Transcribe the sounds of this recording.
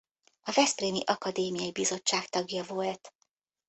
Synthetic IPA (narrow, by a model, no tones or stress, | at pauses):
ɒvɛspreːmiʔɒkɒd̪eːmijɒibizo̞t͡ʃːaːkt̪ɒɡjɒvo̞lt̪